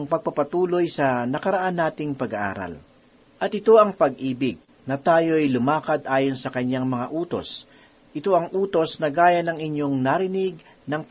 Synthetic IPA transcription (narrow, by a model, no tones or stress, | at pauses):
ŋpɐɡ̚pɐpɐt̪uːlo̞jsɐnɐkɐɾɐʔanːaːt̪ɪŋpɐɡɐʔa̰ːɾɐ̰l | ʔɐt̪ʔɪt̪o̞ɐŋpɐɡʔiːbɪɡ̚ | nɐt̪aːjo̞ɐjlʊmaːkɐd̪ʔaːjonsɐkɐɲːaŋmɐŋaʔuːt̪o̞̰s | ʔɪt̪o̞ʔɐŋʔuːt̪o̞snɐɡaːjɐnɐŋɪɲjo̞ŋnaɾɪnɪɡ̚ | nɐŋ